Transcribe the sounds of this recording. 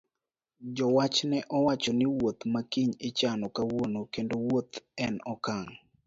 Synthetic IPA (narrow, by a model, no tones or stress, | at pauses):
d͡ʒɔwat͡ʃnɛʔɔwat͡ʃɔnɪwot̪makiɲɪt͡ʃanɔkawonokendowot̪ɛnɔkaŋ